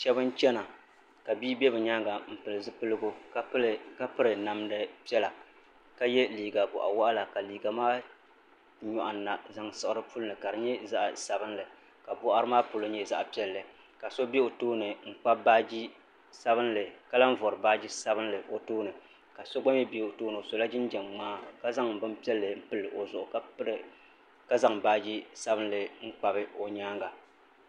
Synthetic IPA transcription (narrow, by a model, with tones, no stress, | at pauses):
ʃɛ˦bɨ˦n˦t͡ʃɛ˦na˨ | ka˨biː˦bɛ˦bɨ˨ɲa˦ŋɡa˨m̩˨pɨ˨lɨ˨zɨ˦pɨ˦lɨ˦ɡo˦˨ | ka˦pɨ˦ɾɨ˨na˨mdɨ˦pi˦ɛ˦la˨ | ka˦jɛ˦liː˨ɡa˨bʊ̰˨ʔa̰˨wa˦ʔa˦la˨ka˨liː˨ɡa˨maː˦ | ɲɔ˨ʔa˨na˨za˨ŋsɨ˨ɨ˨ɾɨ˦pu˦lɨ˦nɨ˨ka˨ɾɨ˨ɲɛ˦za˦ʔsa˨bɨ˦nlɨ˨ | ka˨bʊ˦ʔa˦ɾɨ˦maː˦po˨lo˦ɲɛ˦za˦ʔpi˦ɛ˦lːɨ˨ | ka˨so˦be˦o˨toː˦nɨ˨ŋ̩˦k͡pa˦ba˦d͡ʒi˦ | sa˦bɨ˦nlɨ˨ka˦la˦n˦vɔ˨ɾɨ˨baː˦d͡ʒi˦sa˦bɨ˦n˦lɨ˨ʔo˨toː˦nɨ˨ | ka˨so˦ɡ͡ba˦mɛ˦be˦o˨toː˦nɨ˨o˨so˨la˦d͡ʒɪ˦n˦d͡ʒɛ˨mŋ͡maː˦ka˦za˦ŋ̩˨bɨ˦m˦pi˦ɛ˦lːɨ˨m̩˦pɨ˦lːɨ˨ʔo˨zʊ˨ʔʊ˨kɨ˦ɾ | ka˦za˨ŋbaː˦d͡ʒi˦sa˦bɨ˦n˦lɨ˨ŋ̩˦k͡pa˦bɨ˦o˨ɲaː˦ŋɡa˨